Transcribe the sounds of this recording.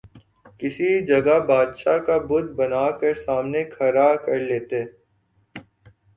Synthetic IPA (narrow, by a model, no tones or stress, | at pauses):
kɪsid͡ʒɐɡabaːd̪ʃakabʊd̪bɐnaːkɐɾsaːmnekʰɐɾakɐɾleːt̪e